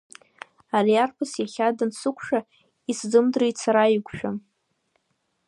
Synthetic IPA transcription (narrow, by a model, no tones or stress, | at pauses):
aɾiarpʰɨsjaχʲadɨnsɨkʷʰʂa | iszɨmdrijt͡sʰaɾaiɡʷʃᶣa